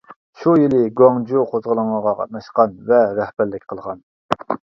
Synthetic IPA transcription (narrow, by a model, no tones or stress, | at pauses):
ʃujilɪɡoŋd͡ʒuqʰozʁəlˠəŋəʁɑqʰɑ̰t̪̚nɑʃqɑnvɛɾɛhbæɾlɪkʲqʰəlˠʁɑn